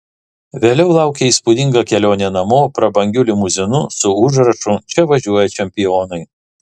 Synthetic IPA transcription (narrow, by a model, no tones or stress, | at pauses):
ʋʲeːlʲɛʊlˠɑˑʊkʲeiːˑspʊd̪ʲɪŋɡɐkʲɛlʲoːnʲeːnɐmoːpɾɐbɐŋʲɡʲʊlʲɪmʊzʲɪnʊsʊʊʒɾɐʃʊt͡ʃʲɛʋɐʒʲuɔjɛt͡ʃʲɛmʲpʲɪjoːnɐɪ